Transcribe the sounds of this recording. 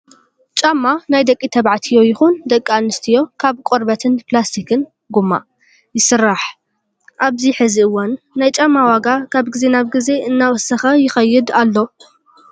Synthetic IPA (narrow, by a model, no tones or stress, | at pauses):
t͡ʃʼamːanajd̪ɐkʼit̪ʰɐβʕat̪ʰijo̞jɪxund̪ɐkʼːianɨst̪ʰijo̞kʰaβkʷʼoɾbɐt̪ʰɨnplast̪ʰikʰɨn | ɡumːa̰ | jɪsɨrːaħ | ʔaβziħɨziɨwːɐnːajt͡ʃʼamːawaɡakʰaβɡɨze̞naβɡɨze̞ʔɨnːawɔsɐxɐjɪxɐjːɪd̪alːo